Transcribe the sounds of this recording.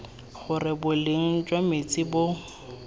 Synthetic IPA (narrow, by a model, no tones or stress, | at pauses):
χʊrɪbʊlɪŋ̩t͡ʃʼwamet͡sʼɪbʊ